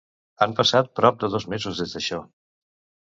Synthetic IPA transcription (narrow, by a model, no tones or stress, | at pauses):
ampəsat̪̚pɾɔp̚d̪əðɔzmezuzðezðəʃɔ